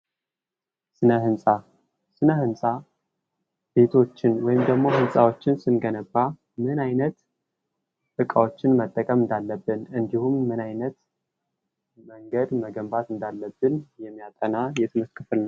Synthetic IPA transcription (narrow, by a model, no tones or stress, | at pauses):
sɨnəhɨnsʼa | sɨnəhɨnsʼa | b̥e̞t̪ʰo̞t͡ʃːɪnwɔjɪmd̪əɡmo̞ɦɨnsʼawo̞t͡ʃːɪnsɨnɡənəbːa | mɨnajnət̪ | fɨkʼawo̞t͡ʃːɪnmət̪ʼːəkʼəmɨnd̪alːəbːɨnɨnd̪ihumːɨnajnət̪ | məŋɡəd̪məɡəmbat̪ɨnd̪alːəbːɨnjɛmːijat̪ʼənajɛt̪ʰɨməskʼɨfɨlnəw